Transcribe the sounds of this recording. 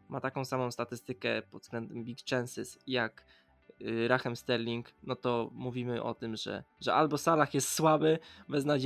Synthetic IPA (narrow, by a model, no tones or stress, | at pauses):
mʔat̪akɔ̃w̃samɔ̃w̃st̪at̪ɘst̪ɘkɛ̰pɔt̪d̪z̥ɡ̥lɛnd̪ɛmbʲikt͡ʂɛnsɨsjak | ɾaxɛmst̪ɛɾlʲiŋknɔt̪ɔmuvʲimɘʔɔ̰t̪ɘmʐɛ̰ʐɛʔalbɔsalaxjɛst̪swabɘvɛznad͡ʑ